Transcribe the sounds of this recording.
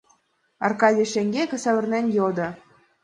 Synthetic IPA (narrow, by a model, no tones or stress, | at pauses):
ɑ̰rkɑdʲiʃeŋɡʲekʲɘ̆sæβɘ̆rnenʲjod̪ɤ̆